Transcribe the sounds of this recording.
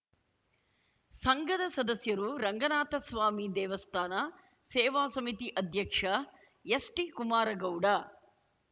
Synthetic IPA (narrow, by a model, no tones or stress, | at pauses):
sɐŋɡɐd̪ɐsɐd̪ɐsjɐɾuɾɐŋɡɐnaːt̪ɐsʋaːmid̪ɛːʋɐst̪ʰaːna | seːʋaːsɐmit̪iʔɐd̪ʱjɐkʂɐ | jɐsʈikumaːɾɐɡɐwɽa